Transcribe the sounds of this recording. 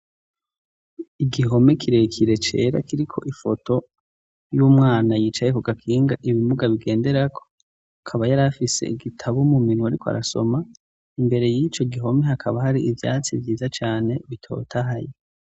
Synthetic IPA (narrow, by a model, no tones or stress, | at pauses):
iɡiɦo̞me̞kʰiɾe̞kʰiɾe̞t͡ʃe̞̰ːɾa̰kiɾikʰo̞̰ʔifo̞to̞ | juːmŋaːnajiːt͡ʃajekuɡakʰiːŋɡaʔiβimuɡaβiɡe̞ːnde̞ɾakʰo̞̥ | akʰaβajaɾafise̞̰iɡitʰaβumuminuwaɾikoa̰ɾaso̞ma | imbe̞ɾe̞jit͡ʃo̞ɡiɦo̞me̞hakʰaβahaɾiʔivja̰ːt͡sivjiːzat͡ʃaːne̞βitʰo̞̰ːtʰaɦaje